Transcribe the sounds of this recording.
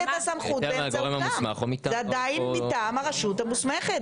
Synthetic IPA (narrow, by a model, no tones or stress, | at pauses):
tasamχutbeɡoʁemausmaχomit̪azead̪ajinit̪aːmaʁaʃut̪hamusmeχet̪